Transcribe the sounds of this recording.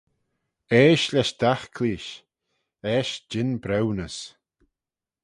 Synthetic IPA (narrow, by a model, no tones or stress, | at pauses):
ɛːʃlɛʃd̪̥axkʰliːʃ | ɛːʃd͡ʒɪnbɾɛwnəs